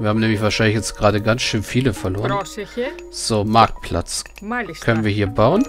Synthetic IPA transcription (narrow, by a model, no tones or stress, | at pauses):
viːɐhaːm̩nɛːmlɪçv̥aɐʃaɪnlɪçjɛt͡stɡ̥ʁaːdəɡansʃøːnfiːləfɛɐloːʁən | z̥oːmaɐk̚t̚pʰl̥a̰t͡s | kʰœnənviːɐhiːɐbaʊən